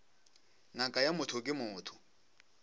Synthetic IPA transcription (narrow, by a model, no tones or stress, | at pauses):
ŋakʼajamʊtʰʊkʼɪmʊːtʰʊ̥